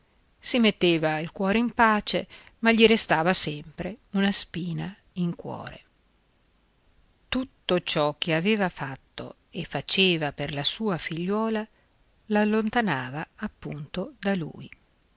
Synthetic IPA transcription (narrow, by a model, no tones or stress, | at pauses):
simet̪ːeːvailkwɔːɾeimpaːt͡ʃemaʎːiɾest̪aːvasɛmpɾeunaspiːna | iŋkwɔ̰ːɾḛ | t̪ut̪ːot͡ʃɔk̟ːeaveːvafat̪ːo̰ | efːat͡ʃeːvaperlasuːafiʎːwɔːla | lalːont̪anaːvaːpːunt̪od̪alṵːj